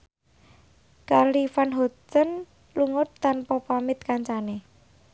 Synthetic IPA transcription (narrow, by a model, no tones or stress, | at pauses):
kalifanɦɔtən | luŋʊt̪ːanpɔpamɪt̪̚kaɲt͡ʃane